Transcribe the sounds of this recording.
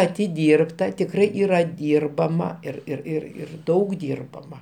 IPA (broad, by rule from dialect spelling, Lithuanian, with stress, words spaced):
ɐtʲɪˈdʲiːrptɐ tʲɪkˈrɐɪ ˈiːrɐ ˈdʲiːrbɐmɐ ɪr ɪr ˈɪr ɪr ˈdɐʊk ˈdʲiːrbɐmɐ